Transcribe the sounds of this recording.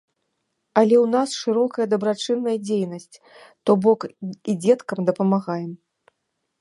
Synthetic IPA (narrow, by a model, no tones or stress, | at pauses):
ɐlʲɛwnasʂɨɾɔkɐjɐd̪ɐbɾat͡ʂɨnːɐjɐd͡zʲejnɐsʲt͡sʲ | t̪ɔbɔkid͡zʲɛt̪kɐmd̪ɐpɐmaɣajɛm